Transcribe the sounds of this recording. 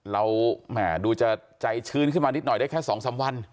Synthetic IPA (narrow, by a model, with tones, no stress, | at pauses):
ɾa˧wmaː˧˩duː˧t͡ɕa˨˩t͡ɕa˧jt͡ɕʰɯː˧˥˩nkʰɯ˥˩maː˧ni˦˥t̪̚nɔ˨˩jdaː˥˩kʰːsɔː˩˦ŋsaː˩˦mwa˧n